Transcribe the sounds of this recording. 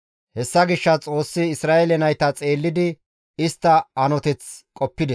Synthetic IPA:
hɛsːɐɡɪʃːɐt͡sʼo̞ːsːɪːsɾaːelɛnɐjt̪ɐt͡sʼe̞ːlːɪd̪ɪ | ɪst̪ːɐɐnɔt̪ɛt͡skʼɔpːɪd̪ɛ

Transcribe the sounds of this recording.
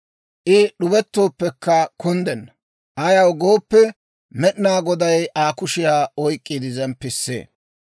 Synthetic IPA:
ʔɪɗʊbɛt̪ːo̞ːpːɛkːɐkʊnd̪ɛnːɐ | ʔɐjɐwɡo̞ːpːɛ | mɛɗnaːɡɔd̪ɐjʔaːkʊʃɪjaːɔjkʼːid̪ɪzɐnpɪsːḛː

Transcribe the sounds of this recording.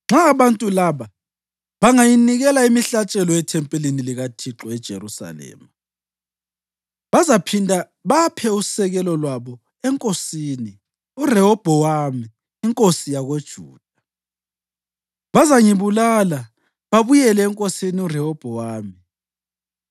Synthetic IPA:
ŋ͡ǁaːβantʼulaːβa | βaŋajiniɣɛlaimiɬat͡ʃʼɛlɔɛtʰɛmpʼɛliniliɣatʰiǁɔɛd̥ʒ̥ʱḛɾusa̰lɛ̰ːma | βazapʰindʱa | βapʰɛusɛɣɛlɔlwaβɔ | ɛŋkʼosini | urɛhɔb̥ʱɔwamiː | ŋkʼosijaɣed̥ʒ̥ʱṵːd̥ʱa | βazaŋiβulala | βaβujɛlɛːŋkʼosiniurɛhɔb̥ʱɔwaːmi

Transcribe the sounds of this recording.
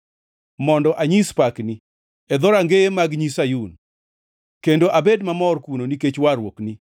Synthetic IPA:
mɔndɔʔaɲispakni | ɛd̪ɔɾaŋɡemaɡɲisajun | kendoʔabedmamɔrkunoniket͡ʃwaɾwokni

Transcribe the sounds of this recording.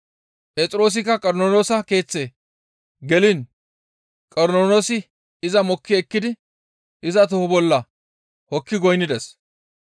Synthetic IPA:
pet͡sʼɪɾo̞ːs̬ɪkːɐkʼɔɾnoːnoːsɐke̞ːt͡sːeː | ɡɛlɪn | kʼɔɾnoːnoːsɪ | ɪzɐmɔkːɪɛkːɪd̪ɪ | ɪzɐt̪̬ɔhɔbɔlːɐ | hɔkːɪɡɔjnɪd̪ɛs

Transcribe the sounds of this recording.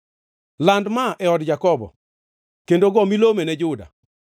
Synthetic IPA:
landmaʔɛɔdd͡ʒakɔbɔ̰ | kendoɡɔmilomenɛd͡ʒʊda̰

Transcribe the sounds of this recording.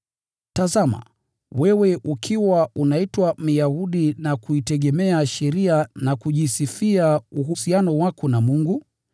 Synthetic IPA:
tazama̰ | wɛwɛʔukʰiwaunaitwam̩jahuɗinakuitɛɠɛmɛaʃɛɾianakuʄisifiauɦusianɔwakɔnamuŋɡu

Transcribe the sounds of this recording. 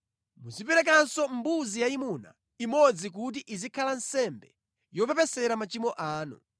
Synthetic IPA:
muzipɛɾɛk̬ansɔmbuzijaimuna̰ | imɔd͡zik̬ut̬iʔizikʰalan̩sɛmbɛ | jɔpɛpɛsɛɾamat͡ʃimɔʔaːnṵ

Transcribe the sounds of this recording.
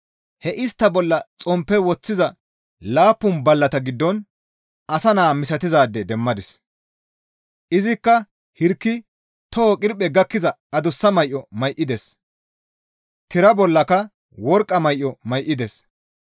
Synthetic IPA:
hɛʔɪst̪ːɐbɔlːɐt͡sʼɔmpːɛwɔt͡sːɪzɐ | laːpːʊnbɐlːɐt̪ɐɡɪd̪ːɔn | ɐsɐnaːmɪsɐt̪ɪzaːd̪ːɛd̪ɛmːɐd̪ɪs | ʔɪzɪkːɐ | hɪɾkːɪ | t̪ɔːkʼɪɾpʼːɛɡɐkːɪzɐ | ɐd̪ʊsːɐmɐjʔːɔmɐjʔːɪd̪ɛs | t̪ɪɾɐbɔlːɐkɐ | wɔɾkʼːɐmɐjʔɔmɐjʔːɪd̪ɛs

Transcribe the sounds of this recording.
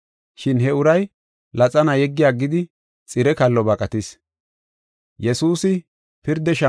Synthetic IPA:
ʃɪnɦɛʊɾɐj | lɐt͡sʼɐnɐjɛɡːɪjaːɡːɪd̪ɪ | t͡sʼɪɾɛkɐlːɔbɐkʼɐt̪ɪs | jɛsuːsɪ | pɪɾd̪ɛʃɐ

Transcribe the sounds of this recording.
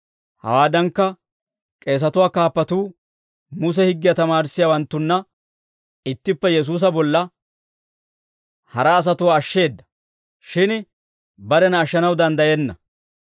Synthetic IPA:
hɐ̰waːd̪ɐŋkːɐ | kʼe̞ːs̬ɐt̪ʊwaːkaːpːɐt̪uː | mʊs̬ɛhɪɡːɪjɐt̪ɐmaːɾsːɪjaːwɐnt̪ːʊnːɐ | ɪt̪ːɪpːɛjɛs̬uːs̬ɐbɔlːɐ | hɐɾɐːs̬ɐt̪ʊwaːʃːe̞ːd̪ːɐ̥ | ʃɪn | bɐɾɛnɐːʃːɐnɐwd̪ɐnd̪ɐjɛnːɐ

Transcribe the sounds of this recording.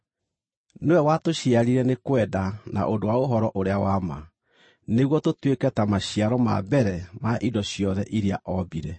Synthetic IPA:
newɛwatoɕiaɾiɾɛnekwɛdana̰ʔondowaoɦɔɾɔʔoɾeawama̰ | neɣwɔtotwekɛtamaɕiaɾɔma̰bɛɾɛmaʔidɔɕjɔðɛʔiɾiaʔɔbiɾɛ

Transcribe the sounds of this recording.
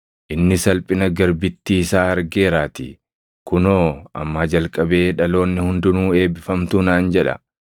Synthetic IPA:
ʔɪnːɪsɐlpʼɪnɐɡɐɾbɪt̪ːiːsaːɐɾɡe̞ːɾaːt̪ɪ̰ | kʊnoːɐ̰mːaːd͡ʒɐlkʼɐbe̞ːᶑɐlo̞ːnːɪhʊnd̪ʊnuːe̞ːbɪfɐmt̪unaːnd͡ʒɛᶑɐ̰

